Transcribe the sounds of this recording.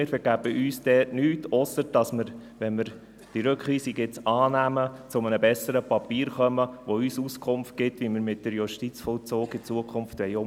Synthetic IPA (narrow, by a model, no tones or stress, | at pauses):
ɪːɾfəɾɡ̥æbəʔyːsd̥ɛːtnyːtʰɔsːəɾd̥ɑsməɾʋɛnməɾ | d̥iɾøkχiːsiɡɪt͡sɑːnæmət͡sʊmənəbɛsəɾəpɑpiːɾχœməʋoyːsuskʰʊmft̚ɡ̥ɪtʋiməɾmɪt̚d̥əɾjuʃtit͡sfɔlt͡soːɡɪt͡suəkʰχʊmftʋɛjʊ